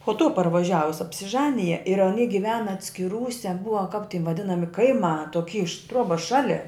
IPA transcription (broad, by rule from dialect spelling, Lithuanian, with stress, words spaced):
poː tuː pɐrʋɐˈʒʲæːʋʊs ɐpʲsʲɪˈʒɑːnʲɪjɛ ɪr ɐˈnʲiː ɡʲɪˈʋʲæːnɐ ɐtʲsʲkʲɪˈruːsʲɛ ˈbʊɐ kɐp tʲɪ ʋɐˈdʲɪnɐmʲɪ kɐɪˈmɑː toːˈkʲiː ɪʃ ˈtruɔbɐs ˈʃɑːlʲɪ